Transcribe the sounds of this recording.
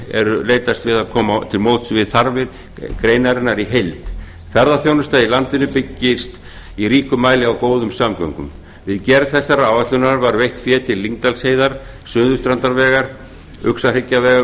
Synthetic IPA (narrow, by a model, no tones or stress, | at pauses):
ɛ̰ɾʏleːjt̪ast̪vɪðaðkʰɔːmat̪ʰɪlmowt̪svɪðθaɾvɪɾ | kɾejnaɾɪnːaɾiɦejlt̪ | θaɾðaθjownʏst̪ailant̪ɪnʏpɪcːɪst̪ | iɾiːkʏmaːjlɪawkoːwðʏmsamka̰ŋkʏ̰m | vɪðcɛɾθɛsːaɾaaːwvat̪lʏnaɾaɾvaɾvejht̪fjɛːt̪ʰɪlːiŋkt̪alshejðaɾ̥ | sʏːðʏst̪ɾant̪aɾvɛːɣaɾ̥ | ʏksarɪcːavɛːɣa